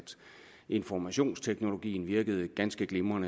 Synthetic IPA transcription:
d̥ | ʔe̝nfɒmæɕo̝̰ːnst͡sʰeɡ̥no̝lo̝ɡ̥ḭːn̩ʋiɐɡ̥əð̞̩ˠəɡ̥ænsɡ̥əɡ̥lemɐnə

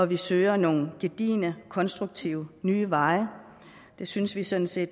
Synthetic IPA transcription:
ɒ̽ʋisøːɐno̝ːn̩ɡ̥e̝d̥ḭːnəkʰɒ̽nsd̥ʁuɡ̥̚t͡sʰiʊnyːʋɑ̈ɪə | d̥e̝synsʋisɔ̽n̩se̝̰ːd̥

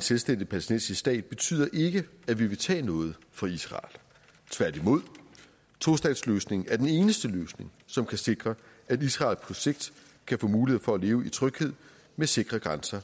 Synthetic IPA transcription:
enselsd̥en̰d̥ð̩ˠpʰælesd̥ḛnsisd̥ɛ̰ːd̥̚b̥e̝t͡sʰy̰ːð̞̰ˠɐʔe̝ɡ̥əæʋiʋe̝t͡sʰɛ̰ːnɔ̽ːð̞̩ˠfɒ̽isʁɑ̰̈ːl | t͡sʰʋæɐ̰d̥imo̝ð̞̰ˠ | t͡sʰo̝sd̥ɛ̰n̥sløːsne̝ŋ̩æɐd̥ene̝ːnəsd̥əløːsne̝ŋ | sɒ̽mkʰæse̝ɡ̥ʁɐ | æd̥isʁɑ̰̈ːlpʰɒ̽se̝ɡ̥̚d̥ | kʰæfɔ̰̽ːmuːliheð̰ˠfɒ̽æle̝ːʊəit͡sʰʁœɡ̥he̝ð̞̰ˠ | mese̝ɡ̥ʁɐɡ̥ʁansɐ

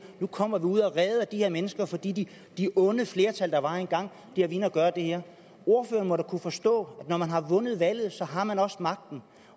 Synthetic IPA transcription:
nukʰɒ̽m̰ɐʋiuð̰ˠɒʁɛːð̩ˠæd̥ihe̝ɐ̰menəsɡ̥ɐfɒ̽d̥ḭːdi | d̥iʔɔ̽nəfle̝ːɐt͡sʰæl̰d̥ɑ̈ʋɑ̈e̝nɡ̥ɑ̈ŋ̰ | d̥ieɐʋinɐɡ̥ɶːɐd̥e̝heɐ̰ | o̝ɐfø̰ːɐn̩mɒ̽ɾækʰufɒ̽sd̥ɔ̰̽ːæd̥nɒmænɦɑ̈ʋɔ̽nəð̞̩ˠʋæl̰ð̞̩ˠsɒ̽ɦɑ̈mænɒ̽smɑ̈ɡ̥̚d̥n̩

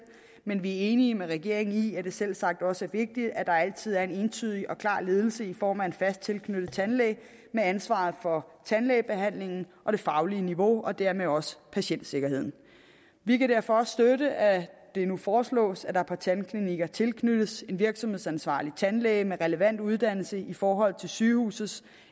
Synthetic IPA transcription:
menʋiæe̝ːniəmeʁɛɡ̥e̝ɐ̰eŋn̩iæd̥e̝sel̰sɑ̈ɡ̥̚d̥ɒ̽səæɐʋe̝ɡ̥̚d̥id̥æd̥ɑ̈æl̰t͡sʰið̞̰ˠæɐe̝ne̝ːnt͡sʰyð̰ˠiʔɒ̽kʰlɑ̰̈ːle̝ːð̞ˠl̩səifɒ̰ːmæe̝d̥fæsd̥̚t͡sʰe̝lkʰnøɾ̥ð̩ˠt͡sʰænlɛ̰ːɪ | meænsʋɑ̈ːð̩ˠfɒ̽t͡sʰænlɛɪb̥e̝ɦæn̰le̝ŋn̩ʔɒ̽ɾ̥e̝fɑ̈ʊliəniʋo̝ɒ̽d̥æɐ̰meɒ̽sə̥pʰæɕen̰d̥se̝ɡ̥ɐɦhe̝ð̰ˠn̩ | ʋikæd̥æɐ̰fɒ̽ɒ̽ssd̥øɾəʔæd̥e̝nufɒːslɔ̰̽ːsæd̥ɑ̈pʰɑ̈t͡sʰænkʰliniɡ̥ɐt͡sʰe̝lkʰnøɾ̥əse̝n̥ʋiɐɡ̥sɒ̽mhð̰ˠsænsʋɑ̰̈ːlit͡sʰænlɛ̰ɪmeʁɛləʋæn̰d̥uð̞ˠd̥æn̰l̩səifɒːɦɒ̽l̰t͡sʰe̝lsyːhṵːsð̩ˠs

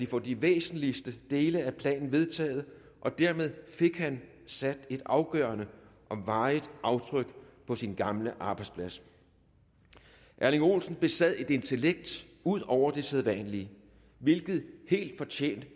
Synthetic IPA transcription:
d̥ifɒd̥iʋḛːsn̩lisd̥əd̥e̝ːləæpʰlɛ̰ːnn̩ʋe̝ð̞ˠt͡sʰɛ̰ːð̞̩ˠ | ʔɒ̽d̥æɐmeð̞ˠfe̝ɡ̥hæn | sæd̥e̝d̥ɑ̈ʊɡ̥œɐnəʔɒ̽mʋɑ̈ɪʔɑ̈ʊt͡sʰʁœɡ̥pʰɒ̽sinɡ̥ɑ̈mləʔɑ̈ːb̥ɑ̈ɪd̥spʰlæs | ʔæɐliŋo̝̰ːlsn̩b̥e̝sæð̰ˠe̝d̥e̝nt͡sʰe̝leɡ̥̚d̥uð̞̰ˠɒʊ̰ɐd̥e̝seðˠʋæ̰ːnliə | ʋe̝lɡ̥ð̩ˠhe̝̰ːld̥fɒ̽t͡ɕʰḛːnd̥

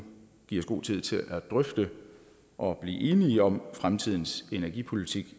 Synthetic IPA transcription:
ɡ̥iɐ̰sɡ̥o̝̰ːt͡sʰið̞̰ˠt͡sʰe̝lʔæd̥ʁœfd̥ə | ʔɒ̽b̥lḭːʔe̝ːniɒ̽mfʁamt͡sʰið̞̰ˠn̩se̝næɐɡ̥ipʰo̝lit͡sʰiɡ̥

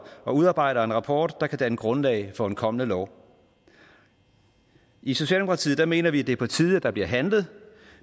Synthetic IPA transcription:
ɒ̽uð̞ˠɑ̈ːb̥ɑ̈ɪ̰ɾɐe̝nʁɑ̈pʰɒ̰ːd̥ːɑ̈kʰæd̥æe̝nɡ̥ʁɔ̽nlɛ̰ɪfɒ̽enkʰɒ̽mənəlɒ̰ʊ̰ | iso̝ɕɛ̰ldemokʰɑt͡sʰḭð̩ˠd̥ɑ̈me̝ːnɐʋiæd̥e̝ɐpʰɒ̽t͡sʰiːð̞ˠæd̥ɑ̈bliɐ̰ɦænlð̞̩ˠ

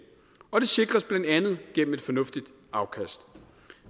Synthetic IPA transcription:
ɒ̽d̥e̝se̝ɡ̥ʁɐsb̥lænd̥ænð̞̩ˠɡ̥en̰m̩e̝d̥fɒ̽nɔ̽fd̥id̥ | ɑ̈ʊkʰæsd̥

